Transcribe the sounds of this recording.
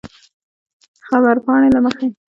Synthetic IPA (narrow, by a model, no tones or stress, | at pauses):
xabaɾpɑɽ̃elaməxe